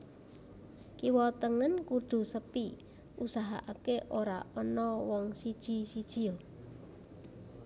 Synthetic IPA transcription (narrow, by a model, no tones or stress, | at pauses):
kiwɔt̪əŋənkuɖ̪̥ṳsəpi | usaɦa̰ʔakeʔoɾa̰ʔɔnɔwɔŋsid̥ʒ̥i̤sid̥ʒ̥i̤o